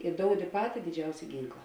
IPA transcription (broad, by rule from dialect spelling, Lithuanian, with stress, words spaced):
ɪ ˈdoːʊdʲɪ ˈpɑːtʲɪ dʲɪˈd͡ʒʲɛʊsʲɛ ˈɡʲiːŋklˠɐ